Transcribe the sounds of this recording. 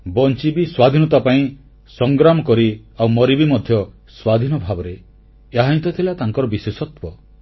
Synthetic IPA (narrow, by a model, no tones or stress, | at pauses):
bɔnt͡ʃibiswad̪ʱinɔt̪apaĩ | sɔŋɡɾamɔkɔɾiawmɔɾibimɔd̪ʱjɔ | swad̪ʱinɔbʱabɔɾe | eɦaĩnt̪ɔt̪ʰilat̪aŋkɔɾɔbiswesɔt̪wɔ